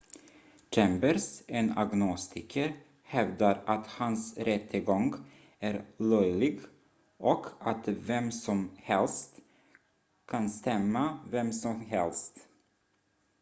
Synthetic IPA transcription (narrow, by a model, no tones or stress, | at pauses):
t͡ʃʰɛmbəɾsena̰ɡnɔst̪ʰɪkʰəɾ | hɛvd̪aɾat̪hansɾɛt̪ʰːəɡɔŋɡ | æɾlœjlɪɡ | ʔɔkʰat̪vɛmsɔmhɛlst̪ | kʰanst̪ɛmːavɛmsɔmɦɛ̰lst̪